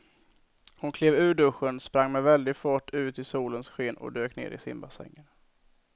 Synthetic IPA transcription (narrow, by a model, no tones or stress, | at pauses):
hʊnkʰleːvʉ̟ːɖɵɧənspɾaŋːmɛvɛld̪ɪɡfɔːʈːʰʉ̟ːt̪ɪsuːlənsɧeːnɔ̰d̪øːknḛːɾɪ̰sɪ̰mbasɛ̰ŋːən